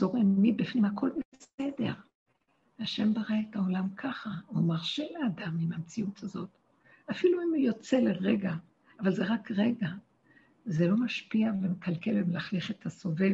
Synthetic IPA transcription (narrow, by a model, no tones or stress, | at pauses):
zo̞ʁemmibifnimhakʰo̞lbese̞de̞ʁ | aʃe̞mbaʁaetaolamkʰaχaumaʁʃeleːdamimamt͡siutazo̞t | afiluimujo̞t͡se̞leʁeɡa | avalze̞ʁakʁeɡa | zelo̞maʃpiavemekalkelemlaχliχet̪ʰaso̞ve̞v